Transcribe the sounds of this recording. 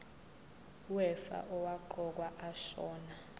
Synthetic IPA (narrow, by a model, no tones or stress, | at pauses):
wɛfa̰ʔɔwaǃɔk̬waʔaʃɔːna